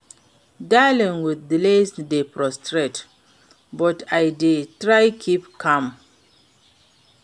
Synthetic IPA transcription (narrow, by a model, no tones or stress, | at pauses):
dalĩnwiddilesdepɹɔstɹet | bɔtʰajdetɹajkʰipkʰãm